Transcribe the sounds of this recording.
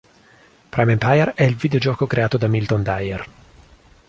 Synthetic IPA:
pɾajmɛmpajɛɾɛilvid̪eod͡ʒɔːkokɾeaːt̪od̪amilt̪ond̪ajɛr

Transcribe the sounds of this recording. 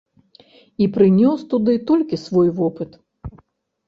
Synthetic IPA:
ipɾɨnʲɔst̪ud̪ɨt̪ɔlʲkʲisvɔjvɔpɨt̪

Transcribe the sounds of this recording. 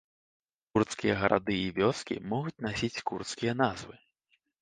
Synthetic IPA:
kurt̪skʲijɛɣɐɾʔa̰d̪ɨivʲɔskʲḭmɔɣut͡sʲnasʲit͡sʲkurt̪skʲijɛnazvɨ

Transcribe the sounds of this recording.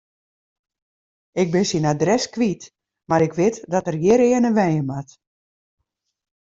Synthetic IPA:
ɪk̚bɪnsinadrɛskʋit | maɾɪkʰʋɪtdɔtərjɪɾɪːənənʋɛjəmat

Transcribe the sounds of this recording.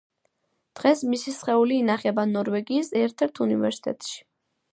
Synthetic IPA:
d̪̥ʁɛsmisisχɛuliːnaχɛbanɔɾvɛɡiːsɛɾt̪ʰɛɾt̪ʰunivɛɾsi̥t̪ʰɛ̰t̪ʃi̥

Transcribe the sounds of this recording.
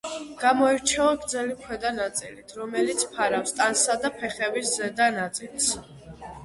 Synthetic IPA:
ɡ̥amɔɛɾt͡ʃʰɛaɡɾd̪zɛlimkʰwɛd̪anat̪sʼḭlit̪ʰɾɔmɛlit̪sʰpʰaɾafst̪ʼansad̪apʰɛχɛbiszɛd̪anat̪sʼils

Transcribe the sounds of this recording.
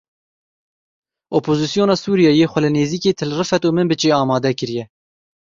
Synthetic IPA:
opʰoːzisijoːnɑːsuːɾijɑːjeːxʷɛlɨneːziːkeːt̪ʰɨlrɨfɛt̪uːmɨnbɨt͡ʃeːɑːmɑːd̪ɛkɨɾjɛ

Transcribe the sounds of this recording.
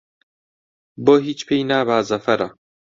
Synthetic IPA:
boːɦiːt͡ʃpʰejnaːbaːzɐfɐɾɐ

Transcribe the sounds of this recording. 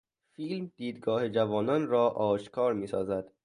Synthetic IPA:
fiːlmd̪̥iːd̪ɡɒːhed͡ʒævɒːnɒːnrɒːʔɒːʃkʰɒːɾmiːsɒ̰ːzæd̪̥

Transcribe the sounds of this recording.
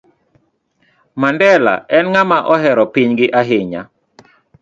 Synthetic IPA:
mandɛla̰ɛnŋamaʔɔɦɛɾɔpɪɲɡɪʔaɦɪɲa̰

